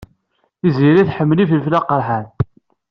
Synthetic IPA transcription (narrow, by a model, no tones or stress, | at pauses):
iziɾiθħəmːlififlæqəɾˤħan